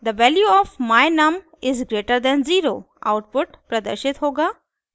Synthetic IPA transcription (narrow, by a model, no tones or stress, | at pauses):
d̪əʋɛljuɔːfmaɪnɐm | ɪzɡɾeːʈəɾd̪ɛ̃nziːɾoː | a̰ʊʈ̚pʊʈpɾɐd̪ə̰ɾʃɪt̪ɦoːɡaː